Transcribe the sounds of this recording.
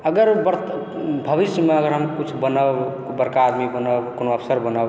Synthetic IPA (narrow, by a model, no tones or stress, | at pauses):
əɡəɾbɾ | bʱəbisjəmeəɡəɾɦəmkut͡ʃʰbənəb | bəɾkaːd̪mibənəbkonoəpʰsəɾbənəb